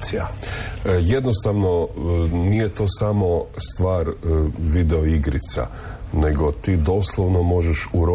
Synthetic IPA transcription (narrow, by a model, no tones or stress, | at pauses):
sia | je̞d̪nost̪aʋnonije̞t̪o̞ːsamo̞st̪ʋaːɾʋid̪eoiɡɾit̪sa̰ | ne̞ɡo̞t̪iːd̪o̞ːslˠoʋnomo̞ʒeʃuɾo